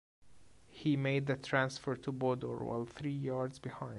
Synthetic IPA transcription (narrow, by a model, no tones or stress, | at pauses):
himeɪd̪̚ðɨt̪ʰɹæ̃nsfə˞tʰubɔdɔ̰ɹwa̰ɪlθɹijɑɹdzbɪhãɪ̃n